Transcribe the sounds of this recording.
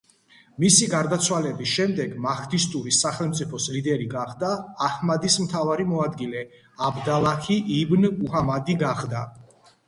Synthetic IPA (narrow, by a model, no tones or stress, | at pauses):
misiɡaɾd̪at̪sʰwalɛbisʃɛmd̪ɛɡmakʰt̪ʰist̪ʼuɾisaχɛlˠmt̪sʼipʰɔslid̪ɛɾiɡaχd̪aːhmad̪ismt̪ʰavaɾimɔad̪ɡilɛ | abd̪alˠakʰiʔibnuhamad̪iɡaχd̪a